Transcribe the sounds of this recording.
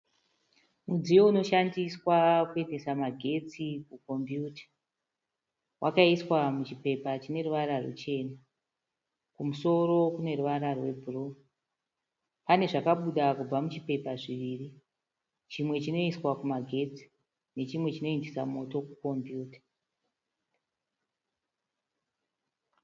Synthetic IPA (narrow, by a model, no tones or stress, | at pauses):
mud͡zijo̞uno̞ʃandiswakue̞nde̞samaɡʱe̞t͡sikuko̞mbjuːtḁ | wʔakaiswamut͡ʃipe̞pat͡ʃine̞ruʋaɾarṵt͡ʃe̞ːna | kumuso̞ɾo̞kune̞ruʋaɾarwe̞bʱurou | pane̞ʐakaɓuɗakub͡vamut͡ʃipe̞paʐiʋiri | t͡ʃimwe̞t͡ʃino̞iswakumaɡʱe̞t͡si̥ | ne̞t͡ʃimwe̞t͡ʃino̞endisa̰mo̞to̞kuko̞mbjuːtḁ